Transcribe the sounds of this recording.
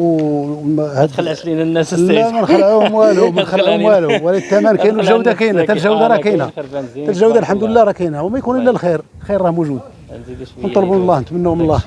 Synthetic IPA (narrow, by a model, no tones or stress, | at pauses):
w | hæd̪linːlːæmænxəlːəʕuhmwælumænxəlːʕhmwælwælid̪t̪ːæmænkænulʒæwd̪akinæt̪ælʒæwd̪aɾˤɑkinæt̪ælʒæwd̪alħamd̪ələlːæɾˤɑkinæwmæjkunʔəlːælxiɾ | xiɾˤːɑmuʒud̪̚ | wnt̪ˤːɑlbunlˤːɑhnət̪mənːæwmnlˤːɑ